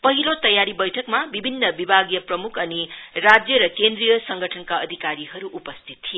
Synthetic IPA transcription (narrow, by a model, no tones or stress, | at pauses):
pʌɦilot̪ʌjaɾibʌjʈʰʌkmabibʱinːʌbibʱaɡjʌprʌmukʰʌnirad͡zjʌɾʌkend̪ɾijʌsʌŋɡʱʌʈʰʌnkaʌd̪ʱikaɾiɦʌɾuʔupʌst̪ʰit̪ʰːie